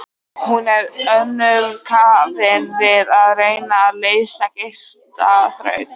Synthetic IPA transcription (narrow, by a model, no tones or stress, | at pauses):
hunɛɾœnːʏɾkʰaːvɪnvɪðaðrejnaleːjsacest̪a̰θɾœ̰ɥt